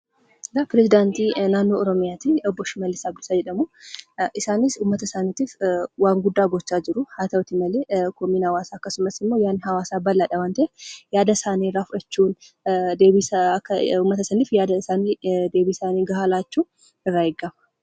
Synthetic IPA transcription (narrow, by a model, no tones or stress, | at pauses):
zapɪɾɛzɪd̪aːnt̪inaːnːoːɔɾɔmɪjaːt̪iɔbːɔʃɪmɐlːɪsaːɡɪsad͡ʒɛᶑɐmuʔɪsaːnɪsʊmːɐt̪ɐsaːnit̪iːfwaːŋɡʊd̪ːaːɡɔt͡ʃːaːd͡ʒɪɾʊhaːt̪ɐwt̪ɪmɐleːkɔmiːnhɐwaːsaɐkːɐsʊmɐsɪmːo̞ːjaːnːhɐwaːsaːbɐlːaːᶑɐwaːnt̪ɐejaːd̪ɐsaːnirːaːfʊᶑɐt͡ʃːuːn | d̪eːbiskːʊmːɐt̪ɐsɐnifjaːd̪ɐsaːniːd̪e̞ːbisaːniːɡɐɦaːlaːt͡ʃːuː | ɪrːaːjɛɡːɐmɐ